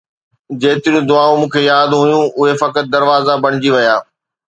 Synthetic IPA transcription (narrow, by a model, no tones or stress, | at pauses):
d͡ʑeːt̪ɪɾijũd̪ʊaːõmũːkʰejaːd̪ɦʊjũʔʊɦefɐkət̪̚d̪ɐɾʋaːzabɐɽ̃ɪd͡ʑiʋɐjaː